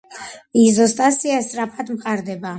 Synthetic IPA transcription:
izɔst̪ʼasiast̪ʼɾapʰad̪mqʼaɾd̪ɛba

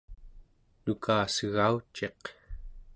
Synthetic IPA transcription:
nukʰaːsəɣaut͡ʃe̞q

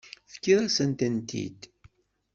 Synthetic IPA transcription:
fə̥kːiðˤæsənt̪ænt̪ḭd̪

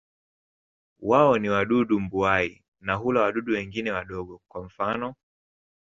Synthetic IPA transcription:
waɔniwaɗuɗumbuai | naɦulawaɗuɗuwɛŋɡinɛwaɗɔɠɔkwam̩fanɔ

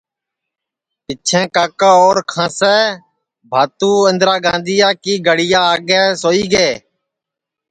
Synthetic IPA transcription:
pɪt͡ʃʰẽːkaːkaːoːɾkʰãːsɛː | bʱaːt̪ũːɪ̃nd̪ɾaːɡãːnd̪iːjaːkiːɡəɽɪjaːɡɛːsoːiːɡeː

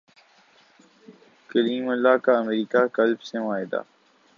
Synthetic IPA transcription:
kəliːməlːaːkaəmeɾiːkakɐlbseʋaːɪd̪a̰ː

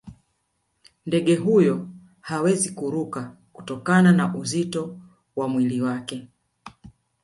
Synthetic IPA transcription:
ndɛɠɛɦujɔ | hawɛzikuɾuka | ku̥tɔkananaʔuzitɔ | wamwiliwakɛ

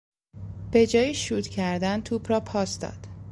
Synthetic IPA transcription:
b̥e̞d͡ʒɒːjiʃuːt̪cʰæɾd̪ænt̪ʰuːbɾɒːpʰɒːsd̪ɒ̰ːd̪̥

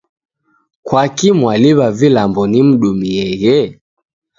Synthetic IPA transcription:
kwakimwaliβavilambɔnim̩ɗumiɛɣɛ

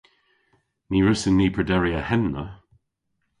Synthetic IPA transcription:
niːɹʊsɪnːiːpʰədɛɹiəhɛnːə

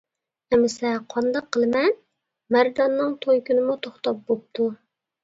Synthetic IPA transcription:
ɛmɪsɛqʰɑnd̪ɑqʰːəlˠmɛn | mæɾd̪ɑnːɨŋt̪ʰojkʲynɪmut̪ʰoχt̪ɑp̚bop̚t̪ʰu

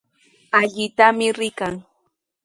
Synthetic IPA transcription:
aʎɪt̪amɪɾɪkaŋ

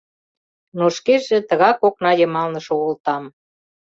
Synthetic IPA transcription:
noʃkeʒĕt̪ə̆ɣɑkoknɑjə̆mɑlnəʃŏult̪ɑm

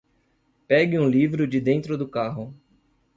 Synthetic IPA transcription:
pɛɡɪũlivɾʊd͡ʒɪd̪ẽnt̪ɾʊd̪ʊkaɦʊ

